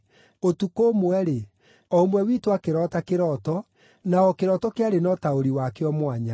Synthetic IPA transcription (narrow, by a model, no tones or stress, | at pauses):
otukomwɛɾe | ɔomwɛwitwakeɾɔtakeɾɔtɔ | naɔkeɾɔtɔkeaɾenɔtaoɾiwakeɔmwaɲa